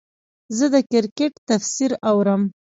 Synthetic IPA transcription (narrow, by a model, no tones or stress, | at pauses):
zəd̪əkɪɾkeʈt̪afsiɾawɾəm